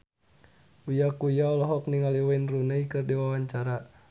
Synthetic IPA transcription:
ujakujaɔlɔɦɔkniŋaliwainrunaikɨrdiwawaɲt͡ʃaɾa

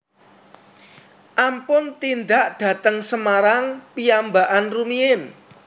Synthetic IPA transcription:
ʔampʊnt̪ind̪aʔɖ̥ä̤t̪əŋsəmaɾaŋpiambaʔanrumiɪn

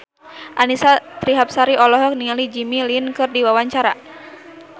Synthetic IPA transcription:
ʔanisat̪ɾiɦap̚saɾiɔlɔɦɔk̚niŋalid͡ʒimilinkɨrdiwawaɲt͡ʃaɾa

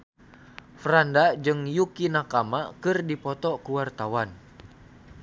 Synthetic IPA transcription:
fɾandad͡ʒɨŋjukinakamakɨrdipɔt̪ɔkuwart̪awan

